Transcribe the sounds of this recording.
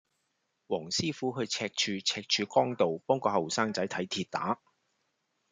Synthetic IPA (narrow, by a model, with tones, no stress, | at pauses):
wɔː˨˩ŋsiː˥fuː˨˥ɦɵ˧ɥt͡sʰɛː˧k̚t͡ʃʰyː˧t͡sʰɛː˧k̚t͡ʃʰyː˨˧kɔː˥ŋt̪o˨wpɔː˥ŋkɔː˧hɐ˨wsaː˥ŋtɐ˨˥jt̪ʰɐ˨˥jt̪ʰiː˧t̚t̪a̰ː˨˥